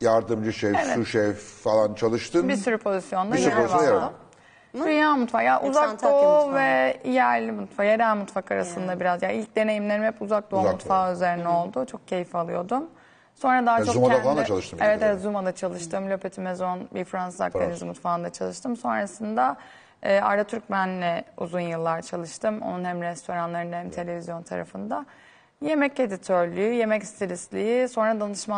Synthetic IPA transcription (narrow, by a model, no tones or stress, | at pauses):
jaɾd̪ɯmd͡ʒɯʃejevɛuʃefalˠant͡ʃʰalˠɯʃt̪ʰɯnbisyɾypʰo̞zisjo̞nd̪aiyɾzvajad̪ɯm | d̪ynjaːmut̪faːjaʔuzakd̪ovɛijæɾlʲimut̪fajeɾælʲmut̪fakʰaɾa̰sɯnd̪abiɾazjailʲc̚d̪e̞ne̞jimlʲeɾimɛpuzak̚d̪omut̪faːøzeɾinɛo̞lˠd̪ʊt͡ʃʰo̞k̚cʰe̞jifalˠɯjo̞d̪um | so̞nɾad̪aɦat͡ʃʰolˠɯʃevɛt̪eɛt̪zumad̪at͡ʃʰalˠɯʃt̪ɯmlʲø̞pʰet̪ʰimezo̞nbiɾfɾansza̰k̪ʰenizmut̪faːnd̪at͡ʃʰalˠɯʃt̪ʰɯmso̞nɾasɯnd̪aː | a̰ɾat̪ʰyɾcbænːɛṵzunjɯlˠːaɾt͡ʃʰalˠɯʃt̪ʰɯmo̞̰nunhæmɾɛst̪ʰo̞ɾanlˠaɾɯnhæmt̪ʰe̞lʲe̞vʲizjo̞nt̪ʰa̰ɾa̰fɯnd̪a | je̞mɛce̞d̪it̪ʰøɾlʲyyje̞mɛcst̪ʰiɾislʲijiso̞nɾad̪anɯʃma